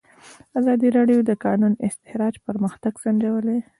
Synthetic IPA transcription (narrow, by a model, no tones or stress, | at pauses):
azɑd̪iɾɑɖijod̪əkɑnunɪst̪ɪhɾɑd͡ʒpəɾməxt̪aɡsaɳd͡ʒawəle